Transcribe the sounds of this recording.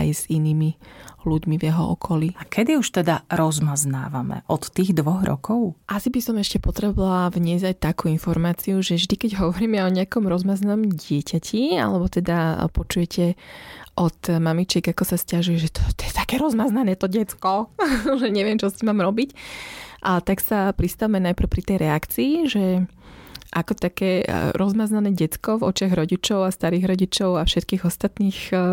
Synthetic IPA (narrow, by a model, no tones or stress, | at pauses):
a̰jz̥iniːmiluɟmivjɛɦɔɔ̰kʰɔliakʰɛd̪iuʃt̪ɛd̪aɾɔzmazna̰ːʋa̰mɛ̰ʔɔt̪ːiːɣd̪ʋɔɣɾɔ̰kʰɔʊʔasibisɔmɛʃcɛpɔt̪ɾɛbɔʋʋaalavɲɛzajt̪akuːinfɔɾmaːt͡siuʒɛvʒd̪ikɛɟɦɔʋɔɾiːmɛɔɲɛakɔmɾɔzmaznaɔmɟɪɛcacʰia̰lɛbɔt̪ɛd̪apɔt͡ʃujɛcʰɛʔɔt̪mamit͡ʃɪɛɡakɔsascaʒujɛʒɛt̪ɔ̥tt̪ɔjɛt̪akɛːɾɔzmaznanɛːt̪ɔɟɛt͡skɔʒɛɲɛʋɪɛmt͡ʃɔsimaːmɾɔbicʔt̪aksapɾist̪aʋmɛnajpɾ̩ʊpɾit̪ɛjɾɛakt͡siːʒɛ | ʔakɔt̪akɛːɾʔɔzmaznanɛːɟɛt͡skɔvɔ̰t͡ʃɪaɣɾɔɟit͡ʃɔʊast̪aɾiːɣɾɔɟit͡ʃɔʊafʃɛt̪kiːɣɔst̪at̪niːx